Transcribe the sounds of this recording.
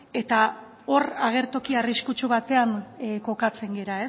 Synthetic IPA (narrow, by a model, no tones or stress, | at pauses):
e̞t̪a | o̞ɾaɣ̞e̞ɾt̪o̞kiariskut͡ʃuβat̪e̞aŋko̞kat͡se̞ŋɡe̞ɾae